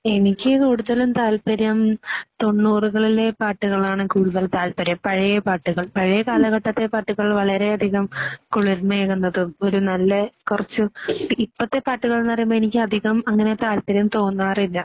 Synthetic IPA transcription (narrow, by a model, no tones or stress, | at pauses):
e̞nikʲːɨkuːɽuðɐlumt̪aːlpɐɾɐmt̪o̞nːuːruɣɐɭile̞paːʈːuɣɐɭaːɳɨkuːɽuðɐlt̪aːlpɐɾɐmpɐɻɐjepaːʈːuɣɐɭpɐɻɐjɐkaːlɐɣɐʈːɐt̪ːe̞paːʈːuɣɐɭʋɐɭɐɾe̞ɐd̪ʱiɣɐmkuɭuɾmɐeɣunːɐðɨo̞ɾunɐlːɐkurɐt͡ɕːuipːɐt̪ːe̞paːʈːuɣɐɭnːɐrɐijumbɐenikʲːɨɐd̪ʱiɣɐmɐŋːɐne̞t̪aːlpɐɾjɐmt̪o̞ːnːaːrilːɐ